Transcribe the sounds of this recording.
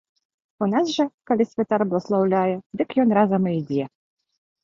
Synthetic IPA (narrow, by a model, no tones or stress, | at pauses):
unazʐɐkɐlʲisʲvʲɛt̪arblˠɐslˠawlʲajɛd̪ɨkjɔnɾazɐmɨjd͡zʲɛ